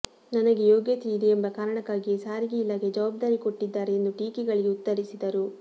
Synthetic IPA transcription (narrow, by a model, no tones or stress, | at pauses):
nɐnɐɡe̞joːɡjɐt̪iːd̪iembɐkaːɾɐɳɐkːaːɡisaːɾiɡeilːaɡe̞d͡ʒɐʋaːb̚d̪aːɾiko̞ʈːid̪ːaːɾeend̪uʈiːkiɡɐɭiɡeut̪ːɐɾisid̪ɐɾu